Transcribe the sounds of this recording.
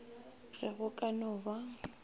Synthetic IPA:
ɣɛɣʊkʼanʊːba

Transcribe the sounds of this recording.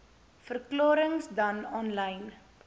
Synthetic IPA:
fərklɑːɾəŋsdɐnɔnlɐjn

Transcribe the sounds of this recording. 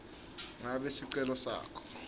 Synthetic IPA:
ŋaɓesiǀɛlɔsa̰ːkʰɔ̥

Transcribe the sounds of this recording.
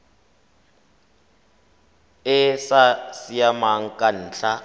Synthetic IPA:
ɪsasijamaŋ̩kʼan̩ːɬa

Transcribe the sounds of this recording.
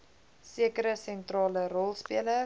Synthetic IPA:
siəkəɾəsɛntrɑːlərɔlˠspiələ

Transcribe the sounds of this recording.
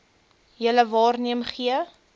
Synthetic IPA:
jələvɑːrniəmχiə

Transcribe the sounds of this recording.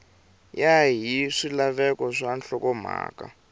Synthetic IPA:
jaɦiʂilaβɛkɔʂanɬɔkɔm̤a̰ːka̰

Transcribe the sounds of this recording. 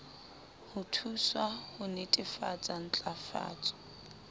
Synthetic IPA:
hʊtʰuswahʊnetʼɪfat͡sʼan̩t͡ɬʼafa̰ːt͡sʼɔ̥

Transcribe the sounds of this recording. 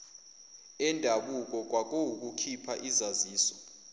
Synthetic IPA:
ɛndʱaɓuk̬ʼɔk̬wak̬ʼouk̬ʼukʰipʰaʔizaziːsɔ̥

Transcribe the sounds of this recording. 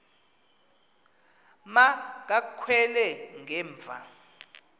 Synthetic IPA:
mak̬akʰwɛlɛŋʱɛːɱb̪vʱa̰

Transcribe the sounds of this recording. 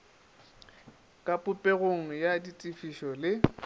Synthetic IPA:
kʼapʼʊpʼeɣoŋ̩jaditʼifiʃɔlɪ

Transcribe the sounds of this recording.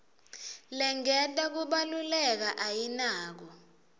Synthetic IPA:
lɛŋɛtʼak̬uɓalulɛk̬aʔajinaːk̬ɔ

